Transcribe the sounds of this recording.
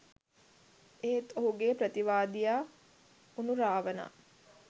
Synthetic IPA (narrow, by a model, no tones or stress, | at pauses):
eːt̪oɦuɡeːpɾət̪iʋaːd̪ijaː | unuɾaːʋəna̰